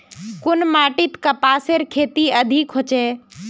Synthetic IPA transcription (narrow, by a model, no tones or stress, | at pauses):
kʊnmaːʈɪt̪kɐpaːseɾkʰeːt̪iɐd̪ʱikɦot͡ʃeː